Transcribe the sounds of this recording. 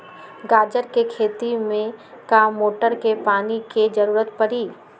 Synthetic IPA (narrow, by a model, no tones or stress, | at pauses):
ɡaːd͡ʒəɾkekʰeːt̪imẽ | kaːmːoːʈəɾkepaːniked͡ʒɐɾuːɾət̪pɐɾiː